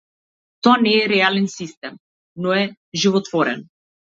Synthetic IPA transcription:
t̪ɔanɛːɾɛalɛnsist̪ɛm | nɔɛ | ʒivɔt̪vɔɾɛ̰n

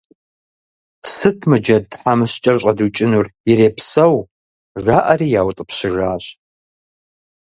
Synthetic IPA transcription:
sɨtʰmɨd͡ʒɐdħamɨɕt͡ʃʼɐrɕʼɐdut͡ʃʼɪnuriɾeːpʰsɐw | ʐaːʔɐriːjaːwtʼɨpɕɪʐaːɕ

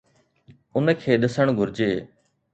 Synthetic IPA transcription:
ʊnkʰeːɗəsəɳ̃ɡʱʊɾd͡ʒeː

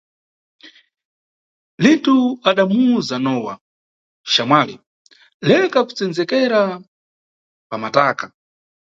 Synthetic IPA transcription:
lintuaɗamuzanɔwa̰ | ʃamwaːlḭ | lɛkaku̥t͡sɛnd͡zɛkɛɾa | pamataːka

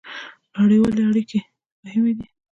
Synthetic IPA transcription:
aɽewaleaɽike | mʊhɪmed̪i

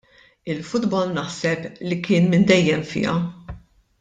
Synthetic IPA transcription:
ɪlfʊd̪bɔlnɐħsɛplikɪːnmɪnd̪ɛjːɛmfɪ̰ːɐ̰

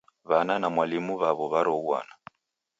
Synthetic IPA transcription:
βananamwalimuβaβɔβaɾɔuwa̰na

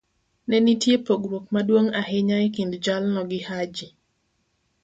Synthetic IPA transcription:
nɛnitjepoɡɾwok̚madwoŋaɦɪɲajkindd͡ʒalnɔɡɪhad͡ʒi

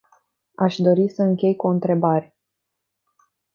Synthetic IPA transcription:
aʃd̪o̞ɾisəɨŋkʲe̞jkuɨnt̪ɾe̞baɾe

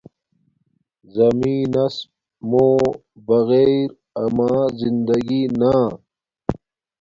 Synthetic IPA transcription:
zɐmiːnɐs | moː | bɐɣeːɾ | ɐmaːzind̪ɐɡinaː

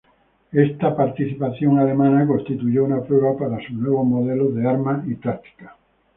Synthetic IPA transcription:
est̪apaɾt̪iθipaθjoŋalemãnakonst̪it̪uʝounapɾoɣapaɾasunweβomoðeloðeaɾmait̪ɾak̚t̪i̥kḁ

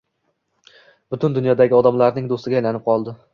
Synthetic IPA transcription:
b̥ʊt̪ʰʊnd̪ʊnjɒd̪aɡʲɪɒd̪amlaɾnɪŋd̪ost̪ɪɡʲaːjlanɪp̚qʰɒlˠd̪ɪ

